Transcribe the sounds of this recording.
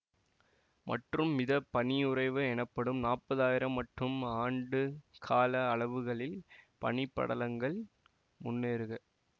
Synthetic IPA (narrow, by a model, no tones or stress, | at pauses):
mʔɐ̰ʈrɯmːɪðɐpːɐɳɪʊrɐɪʋɯɛnɐpːɐɽɯmnaːpːɐðaːjɪɾɐmːɐʈrɯmaːɳɖɯkʰaːlɐːɭɐʋɯɣɐɭɪlpɐ̰nɪpːɐ̰ɽɐlɐŋɡɐɭ | mʊnːeːɾɯɣɐ